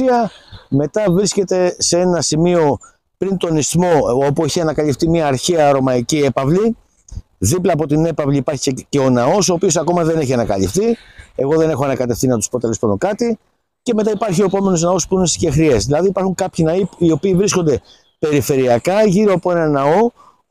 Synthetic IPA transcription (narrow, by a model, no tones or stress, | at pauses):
iɐme̞t̪ɐvɾisce̞t̪e̞see̞nɐsimio̞ | pɾint̪o̞nistmo̞opueçiɐnɐkɐlift̪imɲɐːɾçeɐɾo̞mɐiciepɐvli | ðiplɐːp̬ot̪ine̞pɐvliːpɐɾçi̥cece̞o̞nɐo̞so̞ːpio̞sɐko̞mɐðe̞neçiɐnɐkɐlift̪ie̞ɣo̞ðe̞ne̞xoɐnɐkɐt̪e̞ft̪inɐt̪u̥spot̪elesponokɐt̪i | ce̞me̞t̪ɐipɐɾçio̞e̞po̞me̞nuznɐospuinesi̥ce̞xɾiezðilɐðiipɐɾxuŋkɐpçinɐiio̞piːvɾisko̞nd̪e̞ | pe̞ɾife̞ɾiɐkɐʝiɾoɐpoe̞nɐnɐo̞